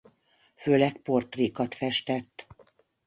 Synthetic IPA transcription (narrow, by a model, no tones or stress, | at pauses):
føːlɛkpo̞rt̪riːkɒt̪fɛʃt̪ɛt̪ː